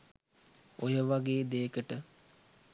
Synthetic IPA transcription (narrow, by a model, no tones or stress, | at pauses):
ojəʋaɡeːd̪eːkəʈə